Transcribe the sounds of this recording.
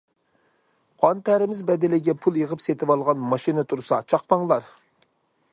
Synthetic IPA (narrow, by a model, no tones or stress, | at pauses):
qʰɑnt̪ʰæɾɪmɪzbɛd̪ɪlɪɡʲɛpʰulˠjəʁəpset̪ɪwɑlˠʁɑnmɑʃinɨt̪ʰuɾsɑt͡ʃʰɑqpɑŋlˠɑɾ